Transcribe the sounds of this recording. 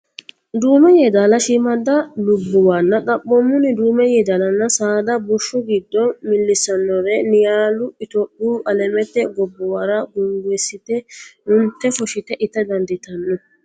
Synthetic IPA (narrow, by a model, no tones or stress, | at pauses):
d̪uːmɛjɛd̪alɐʃɪmɐd̪ɐlʊbːʊwanːɐkɐpːɔmːʊnɪd̪uːmɛjɛd̪alɐnːɐsaːd̪ɐbʊʃːʊɡɪd̪ːɔmɪlːɪsɐnːɔɾɛnɪjaːlʊɪt̪ɔpːuːʔɐlɛmɛt̪ːɛɡɔbːɔwɐɾɐɡʊŋɡɛsɪt̪ɛnʊnt̪ːɛfɔʃɪt̪ɛʔɪt̪ːɛd̪ɐnd̪ɪt̪ɐnːɔ